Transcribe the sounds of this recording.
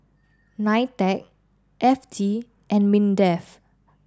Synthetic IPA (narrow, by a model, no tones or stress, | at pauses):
najtɛk̚ | ʔɛfd͡ʒi | ʔɛ̃nmĩndɛf